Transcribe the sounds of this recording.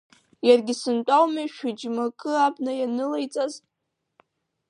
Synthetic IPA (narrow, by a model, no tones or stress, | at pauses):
jarɡʲɪsɨntʷʼawmaʃᶣɪd͡ʒmakʼɨabnajanɨlajt͡sʼaz